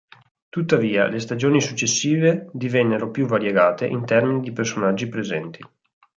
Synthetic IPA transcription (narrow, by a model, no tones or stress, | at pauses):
t̪ut̪ːaviːa̰lest̪ad͡ʒoːnisut͡ʃːesːiːved̪ivɛnːeɾopjuvaɾjeɡaːt̪eʔint̪ɛrminid̪ipersonad͡ʒːipɾezɛnt̪ʰi